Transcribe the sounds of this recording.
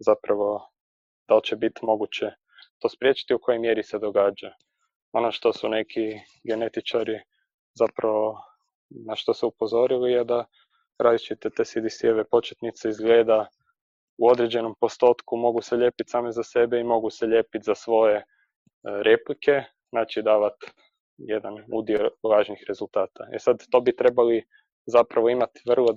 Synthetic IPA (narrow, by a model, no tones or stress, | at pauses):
zapɾaʋo̞ | d̪̥alt͡ɕebit̪imo̞ɡut͡ɕe | t̪o̞ːspɾje̞t͡ʃi̥t̪iuko̞jojmje̞ɾised̪o̞ɡaːd͡ʒa | onoʃt̪osunekʰi | ɡe̞ne̞t̪it͡ʃaɾi | zapɾaʋo | naʃt̪osɛupo̞zo̞ɾilijed̪a | ɾad̪it͡ʃit̪et̪esid̪isioʋepo̞t͡ʃet̪nit̪seizɡle̞ːd̪a | uo̞d̪ɾe̞d͡ʑe̞no̞mpo̞st̪o̞ːt̪kumo̞ɡuseʎe̞ːpit̪saːmezase̞beimo̞ɡuseʎe̞ːpit̪zasʋo̞je̞ | ɾe̞plike̞ | naːt͡ʃid̪aːʋat̪ | jed̪anṵd̪iolˠaːʒnixɾe̞zulˠt̪aːt̪aḛsad̪t̪o̞bit̪ɾe̞bali | zapɾaʋo̞imat̪ʋr̩lˠo